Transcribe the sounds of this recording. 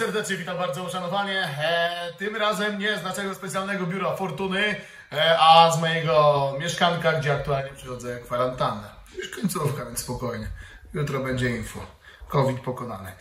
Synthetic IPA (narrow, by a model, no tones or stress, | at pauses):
sɛɾd̪ɛt͡ʂɲɛvʲit̪ambaɾd̪ɔuʂanɔvaɲɛ | t̪ɘmɾazɛmɲɛznat͡ʂɛɡɔspɛt̪sʲjalnɛɡɔbʲjuɾafɔɾt̪unɘ | azmɔjɛɡɔmʲjɛʂkaŋkaɡd͡ʑɛakt̪ualɲɛpʂɨxɔd̪zɛkfaɾant̪anɛ | juʂkɔɲt̪sufkavʲjɛ̃nsspɔkɔjɲɛ | jut̪ɾɔbɛɲd͡ʑɛinfu | kɔvʲit̪pɔkɔna̰nɘ